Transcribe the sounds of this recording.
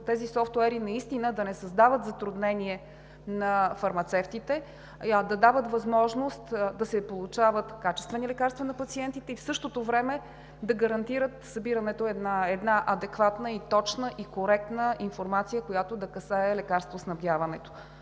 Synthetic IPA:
t̪ɛzisɔft̪wɛɾinɐist̪inəd̪ɐnɛsɐzd̪avət̪zɐt̪ɾud̪nɛniɛ | nɐfɐɾmɐt̪sɛft̪it̪ɛ | ad̪ɐd̪avət̪vɐzmɔʒnost̪d̪ɐsɛpolˠut͡ʃavət̪kat͡ʃɛ̥st̪vɛnilɛkaɾst̪vɐnɐpɐt̪siɛnt̪it̪ɛifsɤʃt̪ot̪ovɾɛmɛ | d̪ɐɡəɾɐnt̪iɾət̪sɐbiɾənɛt̪oɛnaɛd̪naʔɐd̪ɛkvat̪nəit̪ɔt͡ʃnəʔikoɾɛk̚t̪nəʔinfoɾmat̪sijəkojat̪od̪ɐkɐsaɛlɛkaɾst̪vosnɐvd̪javɐnɛt̪o̥

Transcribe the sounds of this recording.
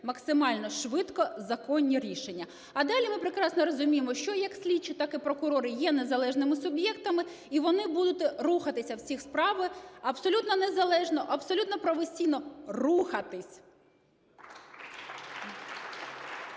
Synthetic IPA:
mɐksɪmɑlʲnɔʃʋɪt̪kɔzɐkɔnʲːiɾʲiʃenʲːɐ | ɐd̪ɑlʲimɪpɾɪkɾɑsnɔɾɔzʊmʲijemɔʃt͡ʃɔjɐksʲlʲit͡ʃːɪt̪ɑkɪpɾɔkʊɾɔɾɪjɛnezɐlˠɛʒnɪmɪsʊbjɛkt̪ɐmɪ | iʋɔnɪbud̪ʊt̪ʲruxɐt̪ɪsʲɐwsʲixspɾɑʋɪɐbsɔlʲut̪nɔnezɐlˠɛʒnɔʔɐbsɔlʲut̪nɔpɾɐʋɔsʲinɔruxɐt̪ɪsʲ

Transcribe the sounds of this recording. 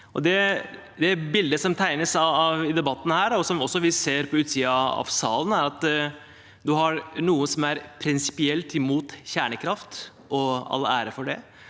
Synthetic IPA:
ʔɔd̪ɛ | d̪ɛbɪld̪əsɔmt̪ʰæɪnəsʋɪd̪ɛbɑt̪ːn̩hæːɾɔsɔmʋɔsːɔʋɪseːɾpʰɔʉːt̪siːəɑ̰ʋsɑːlən̩æɾɑt̪ | d̪ʉɦɑɾɳuːənsɔmæɾpʰɾɪnsɪ̥pɪɛlt̪ɪmuːt̪çæːɳəkʰɾɑft̪ | ʔɔɑ̰lːəæːɾəfɔɖɛ̰

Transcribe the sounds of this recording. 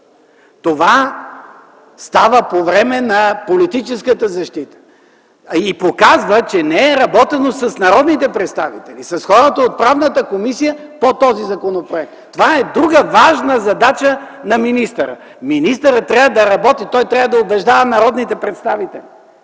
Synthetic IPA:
t̪ova | st̪avəpovɾɛmɛnɐpolit̪it͡ʃɛskət̪əzɐʃt̪it̪ə̥ | ipokazvət͡ʃɛnɛːɾɐbɔt̪ɛnosɐsnɐɾɔd̪nit̪ɛpɾɛt̪st̪avit̪ɛlisɐsxɔɾət̪əot̪̚pɾavnət̪əkomisijə | pot̪ɔzizɐkonopɾoɛk̚t̪ːovaɛd̪ɾuɡəvaʒnəzɐd̪at͡ʃənɐminist̪əɾə̰ | minist̪əɾətt̪ːɾʲavəd̪ɐɾɐbɔt̪it̪ɔjt̪ɾʲavəd̪ɐobɛʒd̪avɐnɐɾɔd̪nit̪ɛpɾɛt̪st̪avit̪ɛli

